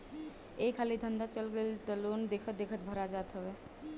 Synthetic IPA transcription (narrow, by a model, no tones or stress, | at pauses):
eːkʰaːlid̪ʱə̃nd̪at͡ʃəlɡəlt̪əlond̪eːkʰət̪̚d̪eːkʰət̪̚bʱəɾad͡ʒaːt̪ɦəweː